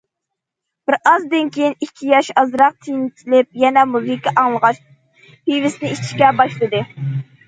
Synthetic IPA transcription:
b̥ɪɾɑzd̪ɪnkʲʰejinikʲʰːijɑʃɑzɾɑq̚t̪ʰijnt͡ʃʰilɪp̚jɛnɛmuzɨkʰʲːiʔɑŋlˠəʁɑʃ | pijvɪsnɪit͡ʃʰi̥ʃkʲɛbɑʃlˠɨd̪ɨ

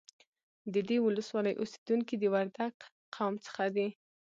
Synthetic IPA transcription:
d̪əd̪ewʊləswɑləjʔose̥d̪uŋkid̪əwaɾd̪aɡ | qʰawmt͡sə̥xad̪e

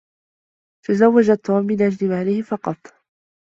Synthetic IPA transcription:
t̪azawːad͡ʒat̪ʰːuːmːɪnʔad͡ʒlɪmaːlɪhɪfɑqɑt̪ˤ

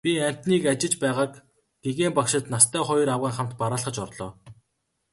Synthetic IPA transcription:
pʲiæm̥ʲt̪niːkat͡ɕɪ̆t͡ɕpæːʁaːk | ɡeɣeːmpakʃɪ̆t̪nast̪ʰæːχɔj̆ɾawʁiːŋχam̥t̪paɾaːɮχə̆t͡ɕɔrɮɔː

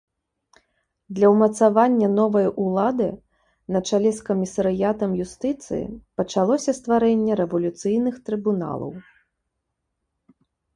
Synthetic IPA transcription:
d̪lʲɐwmɐt̪savanʲːɐnɔvɐjʔulˠad̪ɨ | nɐt͡ʂalʲɛskɐmʲisɐɾɨjat̪ɐmjust̪ɨt̪sɨ̰jḭpɐt͡ʂalˠɔsʲɐst̪vaɾɛnʲːɛɾɛvɐlʲut̪sɨjnɨxt̪ɾɨbuna̰lˠɐ̰w

